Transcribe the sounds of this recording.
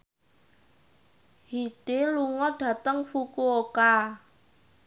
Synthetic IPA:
hid̥eluŋɔɖ̥ä̤t̪əŋfukuoka

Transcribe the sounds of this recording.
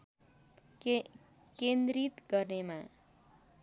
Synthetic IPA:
kend̪ɾit̪ɡʌrnema

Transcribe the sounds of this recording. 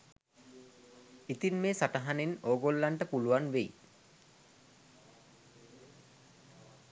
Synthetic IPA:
it̪inmeːsaʈəɦanenoːɡolːaɳʈəpuluʋanʋej

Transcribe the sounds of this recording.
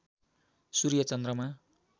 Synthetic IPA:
suɾijʌt͡sʌnd̪rʌma

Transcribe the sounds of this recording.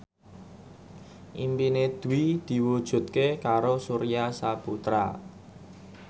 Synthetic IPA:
ʔimpined̪̥ṳwid̪̥i̤wud̥ʒ̥ṳt̪̚kekaɾosuɾijasaput̪ɾa̰

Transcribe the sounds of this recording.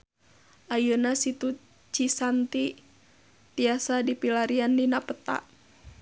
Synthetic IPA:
ʔajunasit̪u | t͡ʃisant̪i | t̪iasadipilaɾiandinapət̪a̰ʔ

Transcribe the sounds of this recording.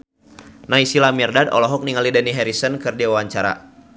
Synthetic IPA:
naisilamɛrdadɔ̰lɔɦɔk̚niŋalidəniɦɛɾisənkɨrdiwawaɲt͡ʃaɾa̰

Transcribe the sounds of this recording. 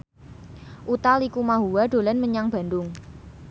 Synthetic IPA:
ʔut̪alikumaɦuwaɖ̥o̤lanməɲaŋb̥a̤nd̪ʊŋ

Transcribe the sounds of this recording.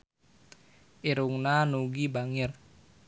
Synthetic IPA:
ʔiɾuŋnanuɡibaŋɪr

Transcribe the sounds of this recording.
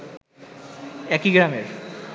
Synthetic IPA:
ɛkiɡɾameɾ

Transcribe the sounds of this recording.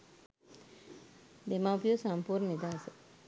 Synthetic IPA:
d̪emapijosampuːrnənid̪aːsə

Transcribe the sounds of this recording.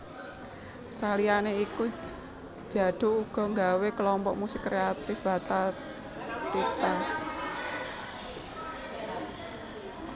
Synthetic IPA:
salianeiku̥ | d͡ʒ̥a̤d̪̥o̤uɡ̥ɔ̤ŋɡawekəlɔmpɔʔmusɪkːɾeat̪ɪfb̥a̤t̪a | t̪it̪a

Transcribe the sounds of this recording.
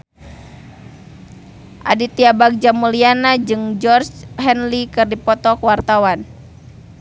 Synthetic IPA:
ʔa̰dit̪iabak̚d͡ʒamulianad͡ʒɨŋd͡ʒɔrt͡ʃɦɛnlikɨrdipɔt̪ɔkwart̪awan

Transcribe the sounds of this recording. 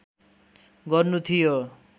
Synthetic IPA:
ɡʌɾnut̪ʰijo

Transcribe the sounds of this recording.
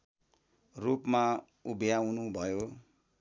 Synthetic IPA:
rupma | ubʱjawnubʱʌjo

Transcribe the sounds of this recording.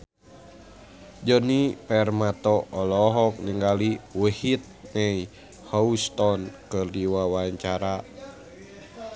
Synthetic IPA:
d͡ʒɔnipɛrmat̪ɔʔɔlɔɦɔk̚niŋɡaliwəhit̪̚nɛi | hɔust̪ɔnkɨrdiwawaɲt͡ʃaɾa

